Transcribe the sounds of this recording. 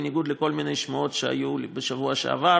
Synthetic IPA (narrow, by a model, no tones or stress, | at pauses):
niɡud̪leko̞lminejʃmaotʃea̰jubeʃavuaʃḛa̰va